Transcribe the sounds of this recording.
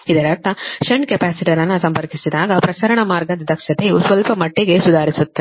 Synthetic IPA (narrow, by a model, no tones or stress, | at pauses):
id̪ɐɾɐt̪ːɐʃɐɳɖkepaːsiʈijɐlɐnːɐsɐmpɐɾkisid̪aːɡɐpɾɐsɐɾɐɳɐmaːɾɡɐd̪ɐd̪ʱɐkʂɐt̪ejusʋɐlpɐmɐʈːiɡesud̪ʱaːɾisut̪ːɐ